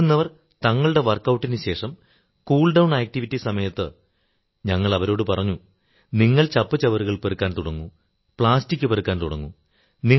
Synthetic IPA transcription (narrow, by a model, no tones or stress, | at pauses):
unːɐʋɐr | t̪ɐŋːɐɭuɽe̞ʋɐrkːɐwʈːinɨɕe̞ːʂɐm | kuːɭɖɐwɳaːk̚ʈiʋitːisɐmɐjɐt̪ːɨ | ɲɐŋːɐɭɐʋɐɾo̞ːɽɨpɐrɐɲːu | niŋːɐɭt͡ɕɐpːɨt͡ɕɐʋɐrɨɣɐɭperukːaːnt̪uɽɐŋːu | pɭaːstikʲːɨperukːaːnt̪uɽɐŋːṵ | ni